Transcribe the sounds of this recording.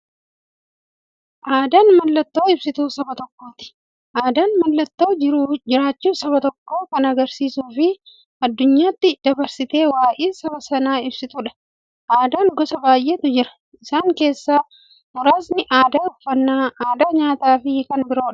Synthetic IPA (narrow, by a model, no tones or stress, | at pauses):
ʔaːd̪aːnmɐlːɐt̪ːo̞ːɪbsɪt̪uːsɐbɐt̪ɔkːo̞ːt̪ɪ̥ | ʔaːd̪aːnmɐlːɐt̪ːo̞ːd͡ʒɪɾuːd͡ʒɪɾaːt͡ʃːuːsɐbɐt̪ɔkːo̞ːkɐnɐɡɐɾsiːsuːfɪ | ɐd̪ːʊɲːaːt̪ːɪd̪̥ɐbɐɾsɪt̪e̞ːwaːʔeːsɐbɐsɐnaːɪbsɪt̪ʊᶑɐ̥ | ʔaːd̪aːŋɡɔsɐbaːjʔeːt̪ʊd͡ʒɪɾɐ̥ | ɪsaːŋke̞ːsːaː | mʊɾaːsnɪʔaːd̪aʊfːɐnːaːaːd̪aːɲaːt̪aːfɪkɐnbɪɾo̞ːᶑɐ̥